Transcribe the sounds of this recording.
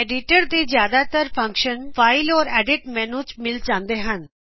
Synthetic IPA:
eːɖɪʈəɾd̪izjaːd̪at̪əɾpʰə̃ŋkʃənpʰaːɪlɔːɾɛːɖɪʈmɛ̃ːnũt͡ʃmɪld͡ʒãːnd̪eɦən

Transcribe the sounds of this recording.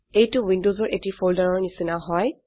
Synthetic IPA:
ejtʊwindozɔɹʔetifoldaɹɔɹnisinaɦɔj

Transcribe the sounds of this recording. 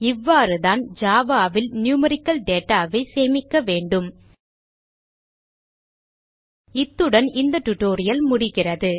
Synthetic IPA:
ɪʋːaːɾɯðaːnd͡ʒaːʋaːʋɪlnjuːmɐɾɪkːɐlɖeːʈːaːʋɐɪseːmɪkːɐʋeːɳɖɯm | ɪt̪ːɯɽɐnɪnd̪ɐʈːʊʈːoːɾɪjɐlmʊɽɪɣɪrɐðɯ

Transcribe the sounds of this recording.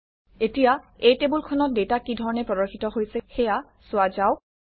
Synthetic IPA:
etijaejtebulkʰɔnɔt̚detakidʱɔɹɔnɛpɹɔdɔɹxʰitɔɦojsɛxɛja | sʊazaʊ

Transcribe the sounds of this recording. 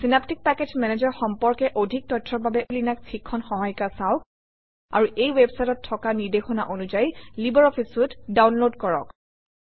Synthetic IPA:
sinaptik̚pɛkezmɛned͡ʒɔɹxɔmpɔɹkɛʔodʱik̚tɔtʰɹɔɹbabɛʔulinak̚sʰikʰːɔnxɔɦɔjkasaʊk̚ | a̰ɹuʔejwebsajtɔtʰːɔkaniɹdexɔnaʔonuzajlibɔɹɔpʰisʊtdawnlodkɔɹɔ̰k

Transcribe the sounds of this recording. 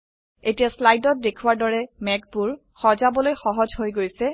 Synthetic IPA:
etijaslajdɔt̚dekʰuwaɹdɔɹɛmɛk̚buɹ | xɔzabɔlojxɔɦɔzɦojɡojsɛ

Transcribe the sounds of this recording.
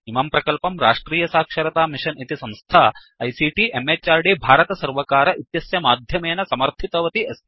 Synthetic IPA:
imɐmpɾɐkɐlpɐmɾa̰ːʂʈɾiːjɐsaːkʂɐɾɐt̪aːmiʂɐnit̪isɐmst̪ʰaː | ɐjsiʈiemet͡ʃːaːɾɖibʱaːɾɐt̪ɐsɐɾʋɐkaːɾɐʔit̪jɐsjɐmaːd̪ʱjɐmeːnɐsɐmɐɾt̪ʰit̪ɐʋɐt̪iɐs

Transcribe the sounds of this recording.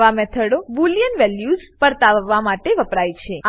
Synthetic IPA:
ʋamɛt̪ʰəɽoʋuljənʋɛljuzpəɾt̪aʋːamaʈeʋəpɾajt͡ʃʰe

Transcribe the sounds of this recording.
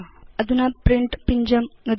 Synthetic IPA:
ɐðinɐpriɳɖɨpiɲd͡ʑɐmnɐd̪

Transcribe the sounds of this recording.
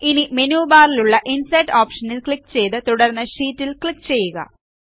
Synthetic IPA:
inimenuːbaːɾiluɭːɐʔinsɐjʈːoːpʂɐnilkɭikːt͡ɕe̞jt̪ɨt̪uɽɐrnːɐɕiːtːilkɭikːt͡ɕe̞jːuɣɐ̰

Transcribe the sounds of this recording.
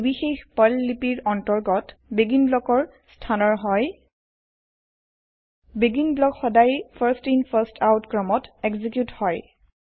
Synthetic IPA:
bixexpɔlːipiɹɔntɔɹɡɔt | beɡinblɔkɔɹ | stʰanɔɹɦɔj | beɡinblɔkxɔdajpʰaɹstinpʰaɹstʰawtkɹɔmɔtɛkzik̬juthɔj

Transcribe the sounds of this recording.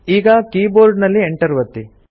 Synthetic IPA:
iːɡɐkiːboːɾɖnɐlːieɳʈɐɾuʋɐt̪ːi

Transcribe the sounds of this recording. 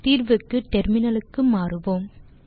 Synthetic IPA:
t̪iːrʋɯkːɯʈɛɾmɪnɐlɯkːɯmaːrɯʋoːm

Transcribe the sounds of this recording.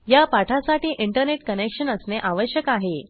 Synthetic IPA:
japaʈʰasaʈiːʔiɳʈəɾneʈkənekʂənəsneʔaʋəɕjəkaɦe

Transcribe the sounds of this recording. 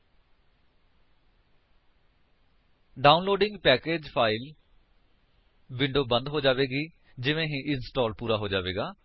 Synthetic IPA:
ɖaːunloːɖɪŋɡpɛːkeːd͡ʒpʰaːɪl | ʋɪ̃ɳɖoːbə̃nd̪ɦoːd͡ʒaːʋeːɡiː | d͡ʒɪʋẽːɦĩːʔɪnsʈɔːlpuːɾaːɦoːd͡ʒaːʋeːɡaː

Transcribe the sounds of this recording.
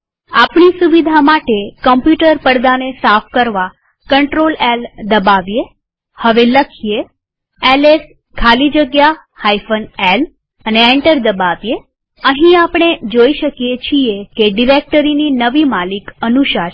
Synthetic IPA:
apɳisuʋid̪ʱamaʈekəmpjuʈəɾpəɽd̪anesafʰkəɾʋa | kəɳʈɾolɛld̪əbaʋje | həʋeləkʰije | ɛles | kʰalid͡ʒəɡja | hajfʰənel | əneɛɳʈəɾd̪əbaʋje | əɦĩapɽ̃ed͡ʒoiʃəkijet͡ʃʰiekeɖiɾek̚ʈəɾininəʋimalikənuʃa

